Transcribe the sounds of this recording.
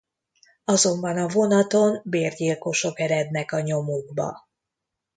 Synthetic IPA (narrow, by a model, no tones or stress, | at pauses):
ɒzo̞mbɒnɒvo̞nɒt̪o̞nbeːrɟilko̞ʃo̞kɛɾɛd̪nɛkɒɲo̞muɡbɒ̰